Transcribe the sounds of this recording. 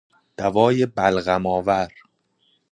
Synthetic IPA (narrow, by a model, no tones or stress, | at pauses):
d̪̥ævɒːjebælɣæmɒːvæɾ